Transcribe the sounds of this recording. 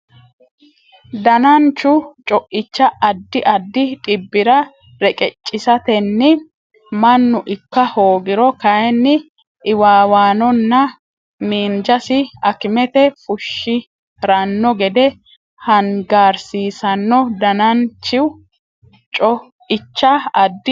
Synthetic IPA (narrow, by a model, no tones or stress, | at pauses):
d̪ɐnɐnt͡ʃːʊt͡ʃʼɔʔɪt͡ʃːɐʔɐd̪ːɪʔɐd̪ːɪt̪ʼɪbːɪɾɐ | ɾɛkʼɛt͡ʃʼːɪsɐt̪ɛnːɪ | mɐnːʊʔɪkːɐho̞ːɡɪɾɔkɐɛnːɪ | ʔɪwaːwaːnɔnːɐ | miːnd͡ʒɐsɪɐkɪmɛt̪ɛfʊʃːɪ | ɾɐnːɔɡɛd̪ɛ | hɐnɡaːɾsiːsɐnːɔd̪ɐnɐnt͡ʃːɪw | t͡ʃʼɔ | ɪt͡ʃːɐɐd̪ːɪ